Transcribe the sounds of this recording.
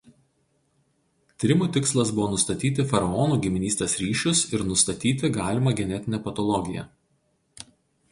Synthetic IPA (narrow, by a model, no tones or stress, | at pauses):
t̪ʲɪɾʲɪmuːt̪ʲɪkslˠɐs̬bʊʋoːnʊst̪ɐt̪ʲiːt̪ʲɪfɐɾɐɔnuːɡʲɪmʲɪnʲiːst̪ʲeːsɾʲiːʃʲʊsɪɾnʊst̪ɐt̪ʲiːt̪ʲɪɡɑːlʲɪmɐɡʲɛnʲɛt̪ʲɪnʲɛpɐt̪ɔlˠɔɡʲɪjɛ̰